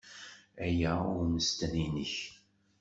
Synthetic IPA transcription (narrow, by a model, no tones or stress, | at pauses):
æjæʊɾməst̪æninəç